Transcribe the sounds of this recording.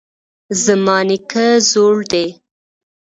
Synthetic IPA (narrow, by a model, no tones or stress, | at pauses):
zəmɑnɪkəzoɽd̪e